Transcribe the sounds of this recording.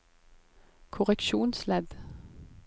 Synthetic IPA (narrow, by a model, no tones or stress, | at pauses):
kʰʊʁɛkʃuːnslɛd̪